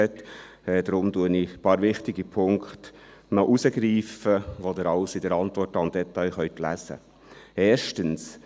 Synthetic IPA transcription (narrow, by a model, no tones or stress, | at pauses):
ɛt | ɛd̪ɾʊmd̪uənipɑːɾvɪχtɪɡipʰʊŋkχt | nɔʔusəɡɾiːfəʋɔd̪ɪɾɑwsɪdəɾɑnt̪vɔrtɑnd̥̪ɛt̪ɑɪχœʏtlæ̰sə̰ | ɛːʃtəns